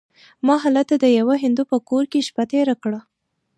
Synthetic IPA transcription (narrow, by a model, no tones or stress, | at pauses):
mɑɦɑlat̪ad̪əjawaɦɪnd̪upəkoɾkeʃpat̪eɾakɽa